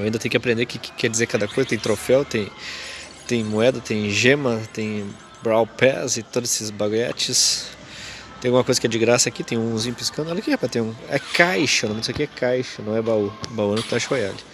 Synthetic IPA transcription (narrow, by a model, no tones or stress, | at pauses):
aĩd̪ɐt̪ẽj̃ʊ̃kapɾẽnd̪ekɪkɪ̥kɛd͡ʒɪizeɾkad̪ɐkojzɐt̪ẽj̃t̪ɾofɛwt̪ẽj̃ | t̪ẽj̃muɛd̪ɐt̪ẽj̃ʒẽmɐt̪ẽj̃ | bɾawpɛzɪt̪od̪ʊzesɪzbaɡuɛ̰t͡ʃɪs | t̪ẽj̃aɡũmɐkojzɐkɪɛd͡ʒɪɡɾasɐakit̪ẽj̃ũzĩɲʊpiskɐ̃nd̪ʊɛlɐʊkɪɛpat̪ẽj̃ũɛkajʃɐnɐ̃sekeɛkajʃɐnɐ̃w̃ɛbaubawɐ̃nʊkɪt̪aʃojalɪ